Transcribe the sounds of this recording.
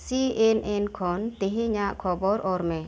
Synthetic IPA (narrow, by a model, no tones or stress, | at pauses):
siɛnʔɛnkʰɔnt̪iɦɛɲaʔkʰɔbɔɾɔɾmɛ